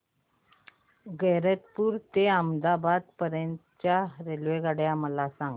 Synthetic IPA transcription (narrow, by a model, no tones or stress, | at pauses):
ɡeɾət̪puːɾt̪eəmd̪abad̪̚pəɾjənt̪t͡ɕjaɾelʋeɡaɽeamalasaŋɡ